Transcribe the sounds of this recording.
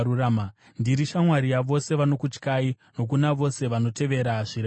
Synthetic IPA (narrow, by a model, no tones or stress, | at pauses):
urama | ndiɾiʃamwaɾijaʋo̞se̞ʋano̞kut͡ʃkai | no̞k̬unaʋo̞se̞ʋano̞te̞ʋe̞ɾaʐiɾe